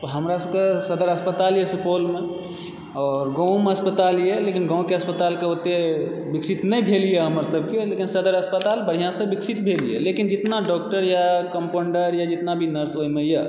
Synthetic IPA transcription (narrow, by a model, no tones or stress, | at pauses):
ɦəmɾasəbkesəd̪əɾəspət̪aljɛsəpolme | ɔɾɡə̃w̃meəspət̪alijelekinɡɔ̃w̃keəspət̪alkeot̪ebiksit̪nɛjbʱelijɛɦəməɾsəb̚kelekinsəd̪əɾəspət̪albəɽ̤ijãsə̃biksit̪bʱelijḛlekind͡ʒit̪naɖɔk̚ʈəɾjakəmpoɳɖəɾjad͡ʒit̪nabʱinəɾsɦoimeja